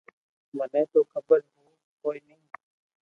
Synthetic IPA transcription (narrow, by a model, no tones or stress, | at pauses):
mənɛ̃ːt̪oːkʰəbəɾɦoː | koːinĩː